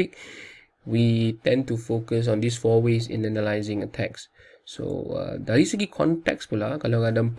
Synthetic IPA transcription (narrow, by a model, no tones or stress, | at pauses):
ik̚ | witɛ̃ntufokəs̬ɔ̃ndisfɔwesḭ̃nɛnəlaɪzɪ̃ŋətʰɛksː | o̰ʌ̰dɛɹisəkikʰɔ̰̃ntɛ̰kspulakalaɡadə̃mp